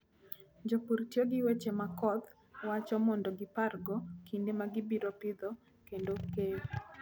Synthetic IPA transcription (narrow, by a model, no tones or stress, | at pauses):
d͡ʒopuɾtjoɡɪwet͡ʃemakɔt̪ | wat͡ʃɔmɔndɔɡɪparɡɔkʰindemaɡɪbiɾɔpɪd̪ɔ | kendoke